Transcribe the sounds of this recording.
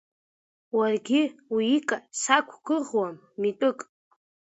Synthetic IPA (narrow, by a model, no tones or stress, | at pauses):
warɡʲiikʼasakʷʰɡɨʁwamːitʼɨkʼ